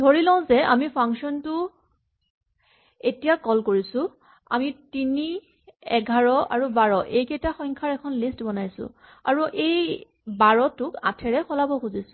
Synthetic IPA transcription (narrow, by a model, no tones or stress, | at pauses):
dʱoɹilɔ̃ʊ̃zɛamipʰaŋksɔntʊ | etijakɔlkoɹisʊ | a̰mitini | ɛɡʱaɹɔa̰ɹubaɹɔʔejkejtaxɔjŋkʰaɹɛkʰɔnlistbɔnajsʊ̰̃ | aɹuʔej | baɹɔtʊka̰tʰɛɹɛxɔlabɔxuzisʊ̥